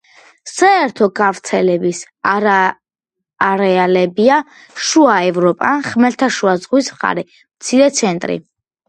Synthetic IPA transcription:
saɛɾt̪ʰɔɡavɾt̪sʰɛlɛbis | aɾaː | ɾɛalɛbia | ʃuaɛvɾɔpʼaχmɛɾt̪ʰaʃuazʁwismχa̰ɾɛ | mt̪sʰiɾɛt̪sʰɛnt̪ʼɾḭ

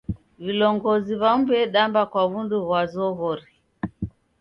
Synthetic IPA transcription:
vilɔŋɡɔziβam̩bɛɗambakwaβunduβwazɔɣɔɾi

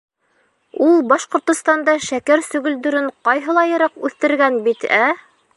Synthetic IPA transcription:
ulˠbɑʃqŏɾt̪ŏst̪ɑnd̪ɑʃækæɾsɵ̆ɡɵ̆ld̪ɵ̆ɾɘɴqɑjɦɤ̆lˠɑjɤ̆ɾɑqʉθt̪ɘ̆ɾɡænbit̪æ

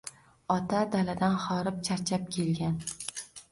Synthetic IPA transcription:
ɒt̪ʰad̪alad̪anχɒɾɪp̚t͡ʃʰaɾt͡ʃʰap̚kʲʰe̞lɡʲan

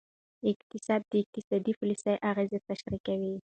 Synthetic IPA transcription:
ɪkt̪ɪsɑd̪̚ːəɪk̚t̪ɪsɑd̪ipʊlisajʔaɣezet̪aʃɾikawi

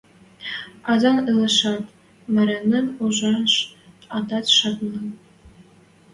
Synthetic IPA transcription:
ɑzɑnɯlˠɤ̆ʃɑt̪ | mɘ̆ɾʲɘnːɘ̆nuʒɑnʃɑd̪ɑt̪ʃɑt̪nɤ̆n

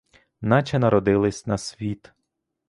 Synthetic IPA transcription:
nɑt͡ʃʲɛnɐɾɔd̪ɪlˠɪsʲnɐsʲʋʲit̪

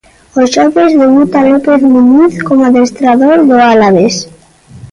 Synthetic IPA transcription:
oʃoβezðeβut̪alopeθmunyθkomoaðest̪ɾaðoɾðoalaβes

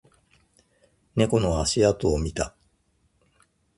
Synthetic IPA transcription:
ne̞ko̞no̞aɕiat̪oːmʲit̪a

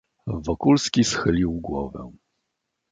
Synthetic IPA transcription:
vɔkulskʲisxɘlʲiwɡwɔ̰vɛ̰̃

